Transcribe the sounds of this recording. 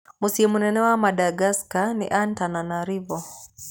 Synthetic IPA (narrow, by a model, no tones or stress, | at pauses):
musiɛmunɛnɛwamaɗaɡaskanḭʔantananaɾivɔ